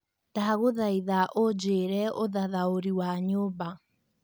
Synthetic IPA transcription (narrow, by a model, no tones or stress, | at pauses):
taɣoðaiðaʔod͡ʒeːɾɛoðaðaoɾiwaɲoːba